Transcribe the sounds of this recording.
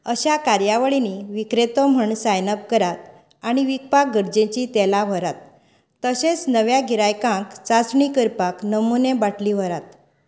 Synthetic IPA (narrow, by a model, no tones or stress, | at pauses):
əɕakaɾjaʋəɭiniʋikɾet̪ɔm̤əɳsajnəp̚kəɾat̪̚ | aɽ̃iʋik̚pak̚ɡəɾd͡ʑẽt͡ɕit̪ɛlaʋəɾat̪̚ː | əɕẽt͡snəʋjaɡʱiɾajkãkt͡sat͡sɳikəɾpaknəmunebaʈʰliʋ̤əɾat̪